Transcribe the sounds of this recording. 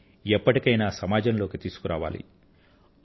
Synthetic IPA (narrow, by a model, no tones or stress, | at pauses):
ɛpːɐʈikɐjnaːsɐmaːd͡ʒɐnlo̞ːkit̪iːsu̥kuɾaːʋa̰ːlḭ